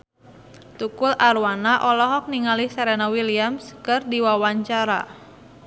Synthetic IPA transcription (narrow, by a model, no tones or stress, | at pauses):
t̪ukʊlaɾuwanaʔɔlɔɦɔk̚niŋalihsɛɾɛnawiliamskɨrdiwawaɲt͡ʃaɾa̰